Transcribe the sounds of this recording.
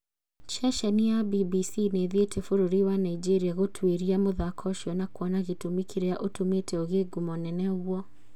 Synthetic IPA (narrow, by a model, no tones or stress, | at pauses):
ʃaʃaniabibisineðetʰefoɾoɾiwanaid͡ʒeɾiaɣotʰweɾiamoðakʰɔʃɔnakwɔnaɣitumikʰiɾeaʔotumetʰɛoɣeɡumɔnɛnɛɣwɔ